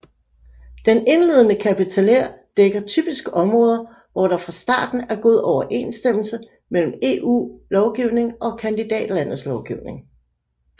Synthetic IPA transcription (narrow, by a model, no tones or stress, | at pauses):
d̥ene̝nle̝ð̞ˠənəkʰæpit͡sʰæleɐ̰d̥eɡ̥ɐt͡sʰy̰ːb̥isɡ̥əʔɒ̽mʁɔ̽ːð̞ˠɐ | ʋɒɾ̥ɑ̈fʁɑ̈sd̥ɑ̰̈ːd̥n̩æɐɡ̥o̝ð̞̰ˠɒʊɐʔe̝ːnsd̥em̰l̩sə | mel̰m̩e̝ːʔṵːlɒʊɡ̥iʊne̝ŋʔɒ̽kʰænd̥id̥ɛ̰ːd̥læn̰ð̩ˠslɒʊɡ̥iʊne̝ŋ